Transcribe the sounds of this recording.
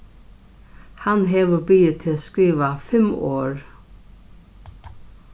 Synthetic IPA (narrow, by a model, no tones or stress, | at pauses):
hanɦɛːʋəbɪjət̪ʰɪskɾiːʋafɪmɔːɹ